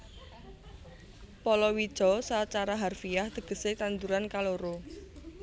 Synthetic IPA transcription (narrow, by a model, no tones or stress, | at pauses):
pɔlɔwid̥ʒ̥ɔ̤sat͡ʃaɾaɦarfijahd̪̥ə̤ɡ̥ə̤set̪and̪uɾankaloɾo